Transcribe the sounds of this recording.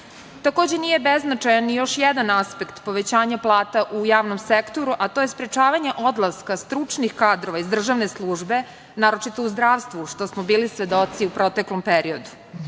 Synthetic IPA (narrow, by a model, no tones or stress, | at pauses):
t̪ako̞ːd͡ʑe̞nije̞beznat͡ʃajanːijo̞ʃjɛd̪anaspekt̪po̞ʋe̞t͡ɕaːɲaplˠaːt̪aʔujaːʋnomsekt̪o̞ɾuʔat̪o̞ːjespɾe̞t͡ʃaːʋaɲe̞ʔo̞d̪lˠaskast̪ɾut͡ʂnixkaːd̪ɾo̞ʋaizd̪r̩ʒaʋneslˠuːʒbe̞ | naːɾo̞t͡ʃit̪o̞uzd̪ɾaːʋst̪ʋuʃt̪o̞smobiːlisʋe̞d̪o̞t̪siupɾo̞t̪e̞klo̞mpeɾio̞d̪u